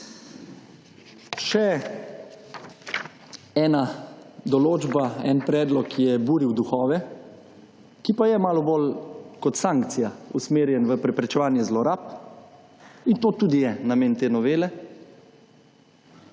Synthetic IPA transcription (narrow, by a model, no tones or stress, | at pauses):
ʃɛ | ɛːnad̪ɔloːd͡ʒbaɛ̰npɾɛːd̪lɔkjɛbuːɾiwd̪uxɔːʋɛ | kipajɛmaːlɔboːlkɔt̪saŋkt̪sijausmeːɾjɛnʋəpɾɛpɾɛt͡ʃɛʋaːnjɛzlɔɾaːp̚ | int̪oːt̪uːd̪ijɛnameːnt̪eːnɔʋeːlɛ